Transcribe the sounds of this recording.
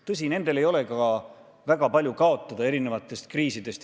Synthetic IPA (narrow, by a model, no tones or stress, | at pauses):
t̪ɤs̬ʲine̞nd̪e̞le̞jo̞le̞kɑ | væɡ̥ɑpɑlʲjukɑo̞t̪ˑːɑd̪̥ɑeɾine̞vɑt̪ːˑe̞st̪̚kriːsid̪e̞st̪